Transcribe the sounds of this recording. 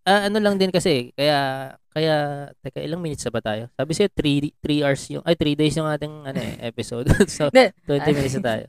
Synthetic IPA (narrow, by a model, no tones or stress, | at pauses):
ʔaːʔɐno̞lɐŋd̪ɪnkɐsɛkɐjaʔkɐjaʔt̪ɐjkɐʔɪlaŋmiːnɪt̪sɐbɐt̪aːjo̞saːbɪsɐjot̪ɾit̪ɾiːʔɐɹsjʊ̰ŋʔɐjt̪ɾiːd̪ejsjʊŋʔaːt̪ɪŋʔɐnoʔɛ̰ʔɛ̰pɪsod̪sɐt̪wɛnt̪ɪminɪt̪snɐt̪aːjo̰